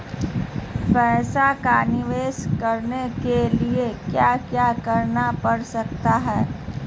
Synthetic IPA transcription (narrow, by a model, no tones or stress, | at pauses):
pɛːsakanɪʋeːskɐɾnekeliekjaːkjaːkɐɾnapɐɽsɐk̚t̪aɦɛː